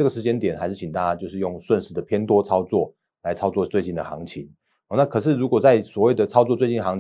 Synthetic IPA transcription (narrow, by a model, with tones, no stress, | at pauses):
ɤ˥˩ɡə˩ʂɻ̩˧˥t͡ɕjɛ˥nt̪jɛ˨˩nxa˧˥ɪʂɻ̩˥˩t͡ɕʰi˨˩nt̪a˥˧˩t͡ɕja˥t͡ɕjo˥˧ʊʂɻ̩˥˧jo˥˩ŋswə˥˧nʂɻ̩˧˩d̪ə˩pʰjɛ˥nt̪wɔ˥t͡sʰɑ˥ʊt͡swɔ˥˩ | la˧˥ɪt͡sʰɑ˥ʊt͡swɔ˥˧t͡swe˥˧ɪt͡ɕi˥˩nd̪ə̰˩xɑ̰˧˥ŋt͡ɕʰi˧˦ŋ | ɔ˨na˥˩kʰɤ˨˩ʂɻ̩˥˩ɻu˧˥kwɔ˨˩t͡sa˥˩ɪswɔ˨˩we˥˩ɪd̪ə˩t͡sʰɑ˥ʊt͡swɔ˥˧t͡swe˥˧ɪt͡ɕi˥˩nxɑ˧˥ŋ